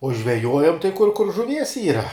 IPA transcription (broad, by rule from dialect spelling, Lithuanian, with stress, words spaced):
ʊ ʒʲʋʲɛˈjuɔjɛm tɐɪ kʊr kʊr ʒʊˈʋʲiɛs ˈiːrɐ